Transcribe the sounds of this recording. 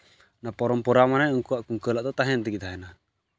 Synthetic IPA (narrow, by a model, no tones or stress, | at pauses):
napɔɾɔmpɔɾamanajɔŋkuwaʔkuŋkəlaʔd̪ɔt̪aɦɛnt̪ɛɡit̪ʰaɦɛna